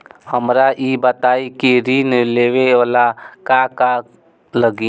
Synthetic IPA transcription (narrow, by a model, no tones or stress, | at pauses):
həmɾaʔiːbət̪aːikiɾiːnleːwealakaka | ləɡi